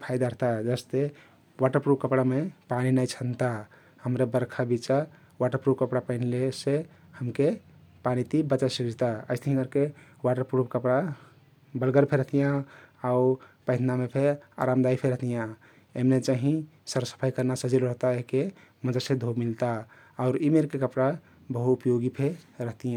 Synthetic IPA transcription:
pʰajd̪aɾəɦt̪ad͡ʒəst̪e | waʈəɾpɾupkəpɽamepaninajt͡ʃʰənt̪a | həmɾebəɾkʰabit͡ʃa | waʈəɾpɾupkəpɽapəɪnlese | həmke | panit̪ibət͡ʃasikd͡ʒt̪aə̰ɪst̪ʰəɦĩkəɾkewaʈəɾpɾubkəpɽa | bəlɡəɾpʰeɾəɦt̪ijãaupə̃d̪ʰnamepʰea̰ɾamd̪aipʰeɾəɦt̪ijã | emnet͡ʃaɦĩsəɾsə̥pʰajkəɾnasəd͡ʒilɾəɦt̪aeɦke | məd͡ʒasẽd̪ʱomilt̪aː | ʊɾimeɾkekəpɽa | bəɦuːpjoɡipʰeɾəɦt̪ijã

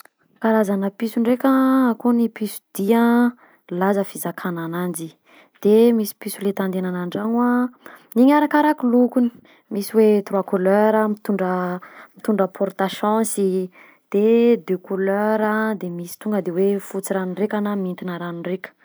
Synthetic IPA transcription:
kaɾazanəpisuɳrekʲəkonipisu̥d̪̥ia | lazəfizakʰananand͡ʒi | d̪̥emisi̥pisulet̪and̪enanaɳɖ͡ʐaŋwaniɲaɾakaɾakulukuni̥ | misiwet̪ɾwakuløɾəmit̪uɳɖ͡ʐəmit̪uɳɖ͡ʐapʰɔɾt̪aʃɔ̃si | d̪̥ed̪økuløɾəd̪emisi̥t̪uŋɡəd̪ewefut͡siɾanirekanamint̪inaɾanirekʲə̥

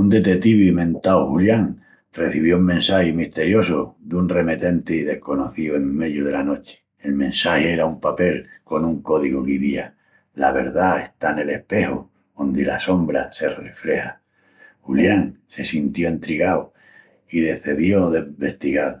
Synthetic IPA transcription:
und̪e̞t̪et̪iβimẽ̞nt̪awhuljaŋ | re̞θiβ̞jouŋmẽ̞nsahimist̪e̞ɾjo̞sod̪unre̞met̪e̞nt̪eiðe̞hko̞no̞θioe̞ŋme̞ðjoð̞e̞lano̞t͡ʃe̥ | elmẽ̞nsaheeɾaumpape̞lko̞nuŋko̞ðiɣokiðia | laβe̞̰ɾðae̞st̪ane̞le̞hpe̞ho | ond̪ila̰so̞mbɾase̞re̞fɾe̞ha | huljaŋse̞sint̪jo̞ent̪ɾiɣaw | ið̞e̞θeðjo̞ðeβe̞st̪iɣal

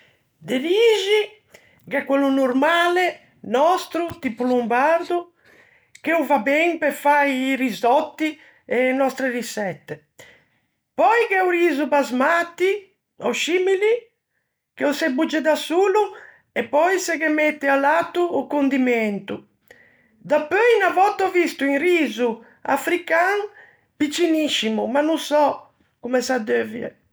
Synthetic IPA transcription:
d̪eliʒi | kɛkːwɛlːunuɾmaːlɛ | nɔst̪ɾut̪ipulumbaɾd̪u | keuvabɛŋpɛɾfajːrizɔt̪ːi | ɛnɔst̪ɾerisɛt̪ːe | pɔjkɛuɾizubazmat̪ːi | ɔʃimili | keɔsɛbud͡ʒːɛd̪asuːlu | ɛpːɔjsɛɣɛmɛt̪ːɛalaːt̪ːuːkond̪imɛnt̪u | d̪apøjnavɔt̪ːɔvist̪uinriːzu | a̰fɾikaŋ | pit͡ʃːiniʃːimumanːusɔ | kumɛsad̪øːviɛ̰

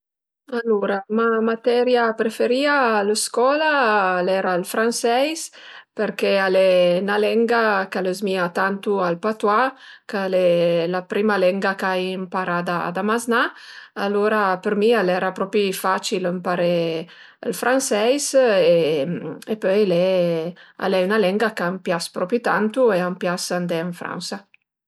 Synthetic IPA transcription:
aloɾamamat̪ɛɾjapɾefeɾiaːləskɔlaːlɛɾalfɾansɛjspəɾkealenalɛŋɡakaləzmiat̪ant̪ualpat̪wakalelapɾimalɛŋɡakajmpaɾad̪ad̪amaznaaloɾapəɾmialɛɾapɾɔpifat͡ʃiləmpaɾe | əlfɾansɛjse | epœjlɛ | a̰lɛynalɛŋɡakaampjaspɾɔpit̪ant̪ueampjasand̪ɛəɱfɾa̰nsa

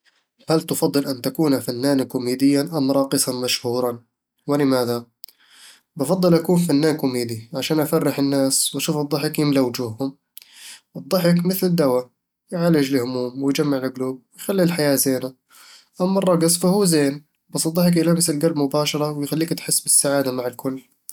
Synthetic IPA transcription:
halt̪ʊfɑd̪ˤːɨlʔant̪akuːnafanːaːnkʊmiːd̪ɪjːaʔamɾˤɑːqɨsˤɑnmaʃhuːɾˤɑn | wɪlɪmaːða | bɑfɑd̪ˤːɨlʔakuːnfanːaːnkʊmeːd̪iʕaʃaːnʔafarːɪħɪnːaːswaʃuːfɨd̪ˤːɑħɪkjɪmlawd͡ʒuːhhʊm | ʔɨd̪ˤːɑħɪkmɪθld̪awa | jʕaːlɪd͡ʒlɪhʊmuːmwɪjd͡ʒamːaʕlɪɡluːb̚wɪjxalːilħajaːzeːna | ʔamːɑrˤːɑɡɨsˤfahuːzeːn | bɑsːˤɨd̪ˤːɑħɪk̬ʔɪlaːmɪsɪlɡalbmʊbaːʃɑɾˤɑwɪjxalːiːkt̪ħɪsːbɪsːaʕaːd̪amaʕɪlkʊlː

